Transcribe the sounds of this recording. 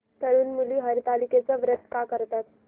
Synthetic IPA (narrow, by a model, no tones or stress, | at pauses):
t̪əɽuːnmuliːɦəɾt̪aliket͡səʋɾət̪ːkakəɾt̪at̪